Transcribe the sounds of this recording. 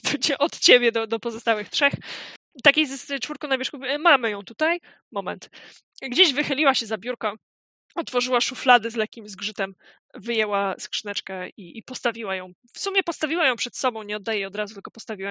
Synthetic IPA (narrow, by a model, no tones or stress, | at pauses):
t͡ɕɛʔɔt̪t͡ɕebʲjɛd̪ɔd̪ɔpɔzɔst̪awɘxtʂɛx | t̪akʲejzt͡ʂfuɾkɔ̃w̃navʲɛʂkuvʲmamɘjɔ̃w̃t̪ut̪aj | mɔmɛ̰nt̪ | ɡd͡ʑeʑvɘxɘlʲiwaɕɛzabʲjuɾka | ɔt̪fɔʐɘwaʂuflad̪ɘzlɛkʲːimzɡʐɘt̪ɛm | vɘjɛwaskʂnɛt͡ʂkɛiipɔst̪avʲiwajɔ̃w̃ | fsumʲjɛpɔst̪avʲiwajɔ̃w̃pʂɛt̪sɔbɔ̃w̃ɲɛɔd̪ːajɛjɔd̪ɾazut̪lkɔpɔst̪avʲiwa